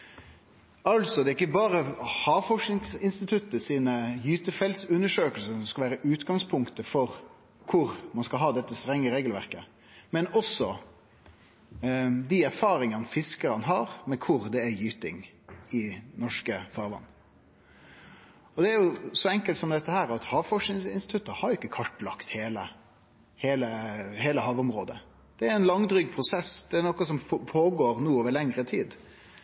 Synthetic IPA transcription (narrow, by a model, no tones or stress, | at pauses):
ɑlsɔd̪ɛɪkːəbɑːɾəhɑːfɔʂnɪŋsɪnst̪ɪt̪ʰʉt̪ːəsiːnəjyːt̪əfɛlsʉnːəʂøːkəlsənsɔmskɑʋæːɾəʔʉːt̪ɡɑŋspʰʊŋkt̪əfɔɾ | kʰʊɾmɑnskɑlɦɑːd̪ɛt̪ːəst̪ɾɛŋːəɾeːɡəlʋæʁkə̰ | mɛnɔsɔ | d̪iæɾfɑːɾɪŋɑnfɪskəɾɑnɦɑːɾmɛkʰʊɾd̪ɛæjyːt̪ɪ̰ŋ | ɪnɔʂkəfɑːɾʋɑ̰nː | ɔd̪ɛæɾjʊsɔɛŋkəlt̪sɔmd̪ɛt̪ːəhæːɾɑt̪hɑːʋfɔʂɪŋsɪnsɪt̪ʰʉt̪ːəhɑɾjʊɪkːəkʰɑʈːlɑkt̪heːlə | heːləheːləhɑːʋʊmɾoːd̪ə̰ | d̪̥ɛæɾɛnlɑŋd̪ɾʏːɡ̚pʰɾʊsɛsd̪ɛænɔkɑsɔmpʰoːɡoːɾnuːoːʋəɾɭɛŋɾət̪ʰiːd̪